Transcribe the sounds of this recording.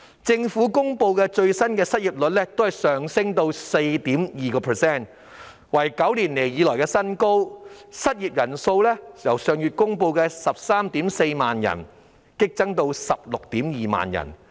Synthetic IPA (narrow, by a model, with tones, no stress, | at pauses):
t͡sɪ˧ŋfuː˨˥kʊ˥ŋpo˧wkɛː˧t͡ʃɵ˧ɥsɐ˥nkɛː˧sɐ˥t̚jiː˨˩p̚lɵ˨t̚lɛː˥t̪o˥whɐ˨jsœː˨˩ŋsɪ˥ŋt̪o˧wse˧jt̪iː˨˥mjiː˨kɔː˧pʰə˨sɛː˥˩n | wɐ˨˩jkɐ˨˥wliː˨˩nle˨˩jjiː˨˧lɔː˨˩jkɛː˧sɐ˥nko˥wsɐ˥t̚jiː˨p̚jɐ˨˩nso˧wlɛː˥jɐ˨˩wsœː˨ŋjyː˨t̚kʊ˥ŋpo˧wkɛː˧sɐ˨p̚saː˥mt̪iː˨˥mse˧jmaː˨njɐ̰˨˩n | kɪ˥k̚t͡sɐ˥ŋt̪o˧wsɐ˨p̚lʊ˨k̚t̪iː˨˥mjiː˨ma̰ː˨njɐ̰˨˩n